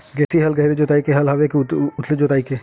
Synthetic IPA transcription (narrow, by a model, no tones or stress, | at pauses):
ɡɛːsiɦɐlɡɐɦɪɾed͡ʒoːt̪aːikeɦɐlɦɐʋekeʊt̪ʰled͡ʒoːt̪aːike